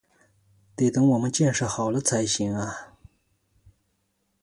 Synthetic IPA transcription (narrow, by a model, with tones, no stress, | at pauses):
t̪e˧˩t̪ɤ˥ŋwɔ˨˩mə˦nt͡ɕjɛ˥˧nʂɤ˥˩xɑ˨˩ʊlə˦t͡sʰa˧˥ɪɕi˧˥ŋa˧